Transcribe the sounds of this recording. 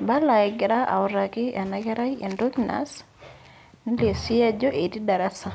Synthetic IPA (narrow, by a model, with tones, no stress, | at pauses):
ba˦la˨ɪ˨ɡɪ˨ɾa˦ʔa̰˨ʊ˨ɾa˨kɪ˦a˨na˨kɛ˦ɾa˦ḛ˨ndo˦kna̰˨˦s | ni˦le˨si˦a˦d͡ʒo˦ʔe˨di˦da˨ɾa˦sa˨